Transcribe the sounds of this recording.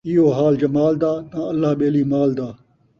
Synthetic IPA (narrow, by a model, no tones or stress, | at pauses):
ɪjoːɦaːld͡ʒɐmaːld̪aːnãːəlːaːɓeːliːmaːld̪aː